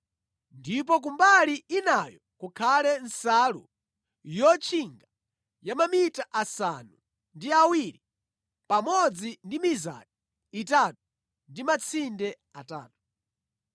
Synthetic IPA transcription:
ndip̬ɔk̬umbaliinajɔkukʰalɛnsalṵ | jɔt͡ʃʰiŋɡa | jamamitaʔasanu | ndiawiɾi | pamɔd͡zindimiza̰diː | tatu̥ | ndimat͡sʰindɛ | ataːtu̥

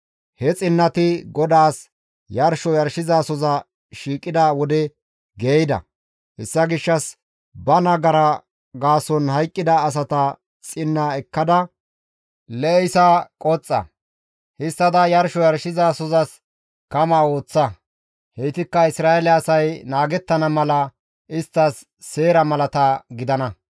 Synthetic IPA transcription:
hɛt͡sʼɪnːɐt̪ɪɡɔd̪aːs | jɐɾʃɔjɐɾʃɪzaːsɔzɐ | ʃiːkʼɪd̪ɐwɔd̪ɛ | ɡeːjd̪ɐ̰ | hɛsːɐɡɪʃːɐs | bɐnɐɡɐɾɐ | ɡaːsɔnhɐjkʼːɪd̪ɐːs̬ɐt̪ɐ | t͡sʼɪnːaːɛkːɐd̪ɐ | lɛɛjsakʼɔt͡sʼːɐ̰ | hɪst̪ːɐd̪ɐjɐɾʃɔjɐɾʃɪzasɔzɐs | kɐmaːoːt͡sːɐ | heːt̪ɪkːɐɪsɾaːɛlɪːsɐjnaːɡɛt̪ːɐnɐmɐlɐ | ʔɪst̪ːɐsː | e̞ːɾɐmɐlɐt̪ɐɡɪd̪ɐnɐ

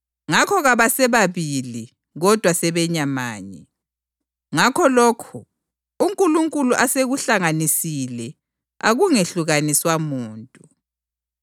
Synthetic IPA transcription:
ŋakʰɔɣaβasɛβaβili | ɣɔd̥ʱwasɛβɛɲama̰ːɲɛ | ŋakʰɔlɔːkʰu | uŋkʼuluŋkʼuluʔaseɣuɬaŋanisilɛ | a̰ɣuŋeɬuɣaniswamuːntʼu

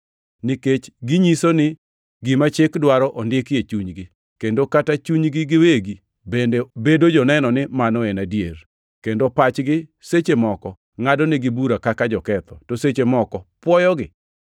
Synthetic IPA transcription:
niket͡ʃɡɪɲisonɪ | ɡɪmat͡ʃɪkdwaɾɔʔondɪkjet͡ʃuɲɡɪ | kendokatat͡ʃuɲɡɪɡɪweɡi | bendebedod͡ʒɔnɛnɔnɪmanɔenadjer | kendopat͡ʃɡɪset͡ʃemɔkɔ | ŋadɔnɪɡɪbuɾakakad͡ʒɔkɛt̪ɔtoset͡ʃemɔkɔpwɔjɔɡɪ

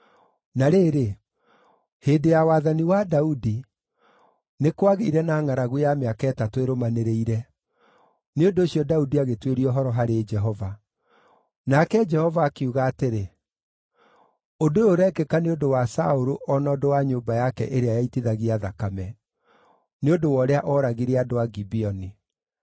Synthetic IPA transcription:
naɾeːɾe | heːndejawaːðaniwadaudi | nekwaɣeiɾɛnaːŋaɾaɣujameakaɛtatoeɾomaneɾeiɾɛ | neondoːɕiɔdaudiaɣetweɾiɔɦɔɾɔɦaɾed͡ʒɛɦɔva | nakɛd͡ʒɛhɔvaːkeuɣaːteɾe | odooɾɛkekaneondowasa̰oɾoʔɔnɔdowaɲoːmbajakɛ̰ʔeɾeajaitiðaɣiaðakamɛ | neodowɔɾeaʔɔɾaɣiɾeadowaɡibiɔni

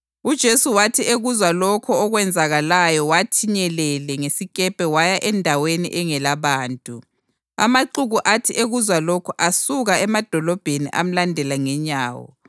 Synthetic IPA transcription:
ud̥ʒ̥ʱesuwatʰieɣuzwalɔkʰɔːɣwɛnd͡zʱaɣalajɔwatʰiɲɛlɛlɛŋesikʼɛpʼɛwajaʔɛndʱawenḭʔɛŋɛlaβaːntʼu | a̰maǃuɣuʔatʰiʔeɣuzwalɔkʰɔʔasuɣaɛmad̥ʱɔlɔb̥ʱenḭʔa̰m̩landʱɛlaŋɛɲaːwɔ̰

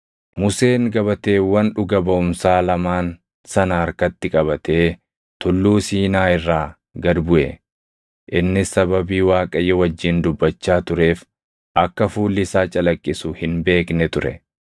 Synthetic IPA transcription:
mʊse̞ːŋɡɐβɐt̪e̞ːwɐnᶑʊɡɐbɐʊmsaːlɐmaːn | sɐnɐɐɾkɐt̪ːɪkʼɐβɐt̪e̞ː | t̪ʊlːuːsiːnaːɪrːaː | ɡɐd̪bʊʔɛ | ʔɪnːɪsɐbɐbiːwaːkʼɐjɛwɐd͡ʒːɪnd̪ʊbːɐt͡ʃːaːt̪ʊɾe̞ːf | ʔɐkːɐfuːlːɪsaːt͡ʃʼɐlɐkʼːɪsʊhɪnbe̞ːknɛt̪ʊɾɛ̰

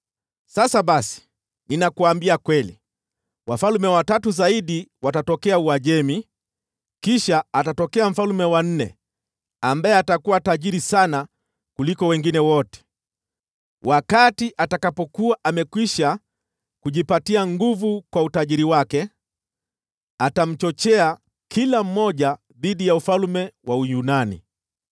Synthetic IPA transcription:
sasaɓasi̥ | ninakuaːmbiakwɛlḭ | wafalumɛwatatuzaiɗiwatatɔkɛauaʄɛmi | kiʃaːtatɔkɛam̩falumɛwan̩nɛ̰ | ambajɛatakuwataʄiɾisana | kulikɔwɛŋɡinɛwɔtɛ̥ | wakatiʔatakapɔkuaʔamɛkwiʃa | kuʄipatiaŋɡuvukwautaʄiɾiwakɛ | atam̩t͡ʃɔt͡ʃɛa | kʰilam̩mɔʄa | ðiɗijaufalmɛwʔaujunanḭ

